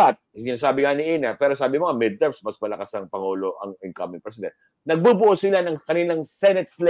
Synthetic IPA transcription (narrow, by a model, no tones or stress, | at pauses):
at̪̚sɪnaːsaːbɪŋanɪʔiːnɐpɛːɾosaːbɪmoɐmɪd̪̚t̪ɛɹsmɐsmɐlɐkasɐŋpɐŋuːlo̞ʔɐ̰ŋɪŋkɐmɪŋpɹɛs̬ɪd̪ɛ̰nt̪ | nɐɡ̚bubʊʔosɪlanɐŋkɐninɐŋsɛnɛt̪̚sl